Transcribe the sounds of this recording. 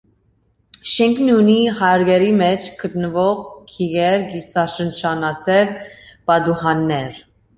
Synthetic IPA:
ʃɛŋkʰnunihɑɾɡɛɾimɛt͡ʃʰkʰət̪nəvɔʁkʰiɣɛɾɡisɑʃənt͡ʃʰɑnɑt͡sʰɛvb̥ɑd̪uhɑnːɛɾ

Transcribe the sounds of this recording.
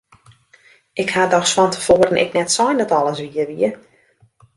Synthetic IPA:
ɪkhadɔxsfɔntʰə̥foːəɾənɪ̰knɛtsɔjndɔtɔlˠəsʋiəʋiə

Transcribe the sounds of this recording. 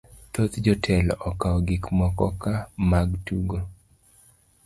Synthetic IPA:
t̪ot̪d͡ʒɔtʰɛlɔkaɔɡɪkmɔkɔ̰kamaɡtuɡo

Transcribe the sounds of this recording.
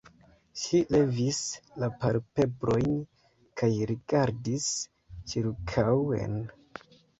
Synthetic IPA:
ʃile̞vislapaɾpe̞bɾo̞jn | kʰajɾiɡaɾdis | t͡ʃiɾkʰawḛn

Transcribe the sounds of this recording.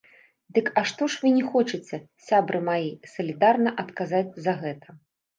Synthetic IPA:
d̪ɨkɐʂt̪ɔʂvɨnʲɛxɔt͡ʂɨt͡sʲɛsʲabɾɨmajisɐlʲid̪arnɐʔɐt̪kazat͡sʲzɐɣɛt̪ʰɐ̥

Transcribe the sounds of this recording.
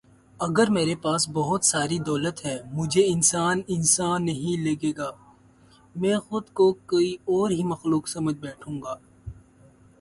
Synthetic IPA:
ɐɡəɾmeːɾepaːsbɐɦʊt̪saːɾid̪ɔːlət̪ɦɛːmʊd͡ʒʱeɪnsaːnɪnsaːnːɐɦĩleːɡeːɡaː | mɛ̃ːxʊd̪kokoːiɔːɾɦimɐxluːksɐməd͡ʒʱbɛːʈʰũːŋɡaː

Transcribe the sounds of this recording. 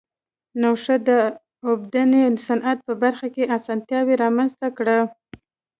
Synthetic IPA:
nawʂad̪ə | ʊbd̪anelsanʔat̪̚pəbaɾxakeʔasɑnt̪jɑweɾɑmanzt̪akɽa

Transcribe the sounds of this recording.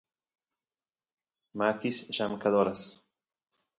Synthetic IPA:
maːkisʃamkʰad̪ɔːɾas

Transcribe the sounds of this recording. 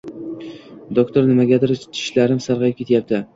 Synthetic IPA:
d̪okt̪ʰoɾnɪmaɡʲad̪ɪɾt͡ʃʰɪ̥ʃlaɾɪmsaɾʁɑjɪp̚kʰʲe̞t̪jap̚t̪ɪ

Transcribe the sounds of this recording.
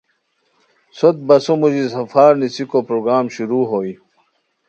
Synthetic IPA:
sot̪̚bɐsomud͡ʑisɐfaːɾnisikopɾoːɡɾaːmɕuɾuːɦoːi

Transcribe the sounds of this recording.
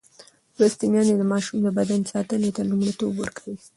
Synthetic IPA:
ɾast̪imjɑned̪əmɑʃumd̪əbad̪ansɑt̪ənet̪alumɽit̪obwə̰ɾkawi

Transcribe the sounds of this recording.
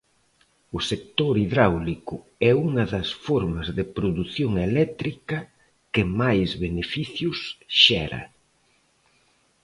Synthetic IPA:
ʊsek̚t̪oɾiðɾawlikʊ | ɛuŋɐðɐsfɔɾmɐzðɪpɾoðuθjoŋelɛt̪ɾikɐ | kɪmajzβenefiθjʊsʃɛɾɐ̰

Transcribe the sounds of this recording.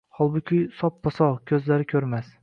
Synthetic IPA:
hɒlˠbʊkʲʰʊjsɒp̚bɒsɒkʲʰɵzlaɾɪkʲʰɵɾmas

